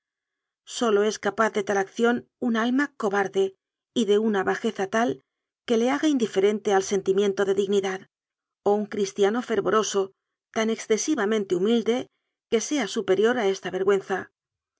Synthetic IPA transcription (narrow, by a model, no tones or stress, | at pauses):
so̞lo̞e̞skapaθðe̞t̪alakθjo̞nunalmako̞βaɾðe̞ | iðe̞unaβaxe̞θat̪al | ke̞le̞aɣaind̪ife̞ɾe̞nt̪e̞alse̞nt̪imje̞nt̪o̞ðe̞ðiɣniðað | o̞uŋkɾist̪jano̞fe̞ɾβo̞ɾo̞so̞ | t̪ane̞ksθe̞siβamẽnt̪eumild̪e̞ | ke̞se̞asupe̞ɾjo̞ɾae̞st̪aβe̞ɾɣwe̞nθa